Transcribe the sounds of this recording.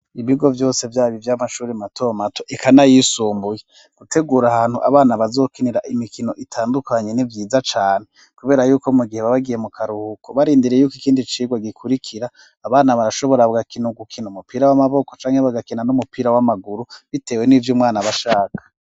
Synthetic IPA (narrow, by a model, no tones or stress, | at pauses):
iβiɡo̞vjo̞ːse̞vjaːβivjamaʃuːɾimatʰo̞matʰoʔekʰanajisuːmbuje | ɡ̥utʰe̞ɡuːɾahaːn̥huʔaβaːnaβazo̞ːkiniɾaʔimikʰino̞ʔitʰaːndukaɲe̞nivjiːzat͡ʃaːne | kuβe̞ːɾajuːko̞muɡihe̞βaβaɡije̞mukʰaɾuhukʰoβaɾiːndiɾejuːkikiːndit͡ʃiːɡwaɡikʰuɾikʰiɾaː | βaːnaβaɾaʃo̞βo̞ɾaβuɡakinuɡukʰinumupiːɾawamaβo̞ko̞̥t͡ʃaːŋheβaɡakinanumupiːɾawamaɡuɾuβite̞ːwe̞nivjumŋaːnaβaʃaːkʰḁ